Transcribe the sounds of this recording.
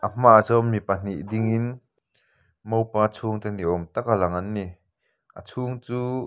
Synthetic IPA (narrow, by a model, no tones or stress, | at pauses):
ʔɐm̥aʔzɔmːipɐn̥iʔdiŋin | mowpaːt͡sʰuːŋt̪ɛniʔɔmt̪akalɐŋɐnːi | ʔɐ̰t͡sʰuːŋt͡suː